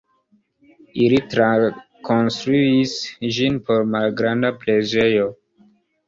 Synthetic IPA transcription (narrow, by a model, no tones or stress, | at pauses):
ilitɾa | konstɾuisʒinpo̞ɾmalɡɾandapled͡ʒejo